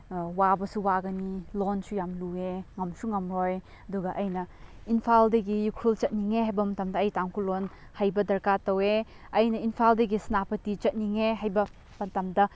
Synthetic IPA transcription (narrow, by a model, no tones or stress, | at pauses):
wabɐsuwaɡɐnilonsujamlueŋɐmsuŋɐmɾɔj | ɐduɡɐʔɐjnɐinpʰaldɐɡijukʰult͡ʃɐt̚niŋeɦajbɐmɐtɐmdɐːjtaŋkʰulon | hajbɐdɐɾkatɐwe | ɐjnɐinpʰaldɐɡisnapɐtit͡ʃɐt̚niŋeɦajbɐ | mɐtɐmdɐ